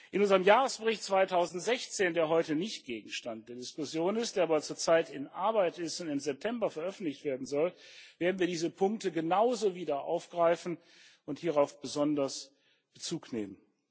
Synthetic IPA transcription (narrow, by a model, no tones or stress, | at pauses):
ʔɪnʊnzəʁəmjaːʁəsb̥əʁɪçt̚t͡sv̥aɪtʰaʊzn̩tz̥ɛçt͡seːndeːɐɦɔʏtənɪçt̚ɡ̥eːɡŋ̩ʃtant̚d̥eːɐdɪskʊsjoːnɪstd̥eːɐaːbɐt͡suːɐt͡saɪtɪnʔaɐbaɪtɪstʊntɪmzɛp̚tʰɛmbɐfɛɐʔœfn̩tlɪçtv̥eːɐdn̩zɔlveːɐdn̩viːɐdiːzəpʰʊŋk̚təɡənaʊzoviːdɐʔa̰ʊfɡ̥ʁaɪfn̩ | ʊnthiːʁaʊfb̥əzɔndɐs | b̥ət͡suːknḛːmən